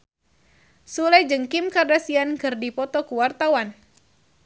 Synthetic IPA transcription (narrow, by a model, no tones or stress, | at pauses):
sulajd͡ʒəŋkimkardasiankɨrdipɔt̪ɔkuwart̪awan